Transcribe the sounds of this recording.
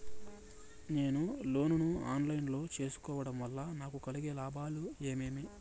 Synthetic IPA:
ne̞ːnulo̞ːnunua̰ːnlɐjnlo̞ːt͡ʃe̞ːsu̥kɔːʋɐɽɐmʋɐlːanaːkukɐliɡelaːbʱaːlue̞ːmeːmi

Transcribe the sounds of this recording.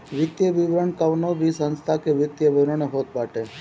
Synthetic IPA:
ʋɪt̪jəʋɪʋɾəɳkəʋnobʱisə̃nst̪ʰakeʋɪt̪jəʋɪʋɾəɳeɦoːt̪̚baːʈe

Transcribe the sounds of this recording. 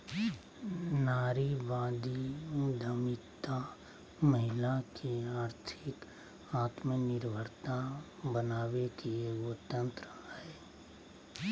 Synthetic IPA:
naːɾiʋãːd̪id̪ʱəmɪt̪a | məɦɪlakʰiaːɾt̪ʰɪk | aːt̪mənɪɾbʱəɾt̪abənaːwekieɡot̪ə̃nt̪ɾəɛː

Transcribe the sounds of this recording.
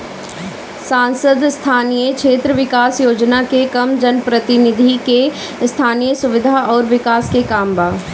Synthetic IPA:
sãːnsəd̪st̪ʰaːnijəkʃʰeːt̪ɾəʋɪkaːsjoːd͡ʒnakekɐmd͡ʒɐnpɾɐt̪ɪnɪd̪ʱike | st̪ʰaːnijəsʊʋɪd̪ʱaʔɔːɾʋɪkaːskekaːmbaː

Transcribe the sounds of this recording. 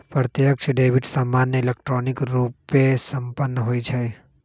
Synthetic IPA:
pɾɾət̪jəkt͡ʃʰɖeːʋiʈsamːaːnːeɪlek̚ʈɾoːnɪkɾuːpːesə̃mpənːəɦoːit͡ʃʰɛ

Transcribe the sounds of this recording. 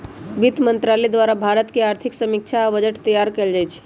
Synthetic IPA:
ʋit̪mənt̪ɾaled̪ʋaɾabʱaɾət̪keaɾt̪ʰiksəmik̚t͡ʃʰaʋəd͡ʒəʈt̪əjaɾkeld͡ʒajt͡ʃʰ

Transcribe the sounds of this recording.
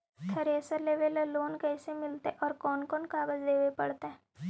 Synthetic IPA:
t̪ʰɐɾeːsəɾleːʋellːoːnkɛːsemɪlt̪eʔɔːɾkɔːnkɔːnkaːbəd͡ʒd̪eːʋepɐɽt̪ɦɛ̃ː

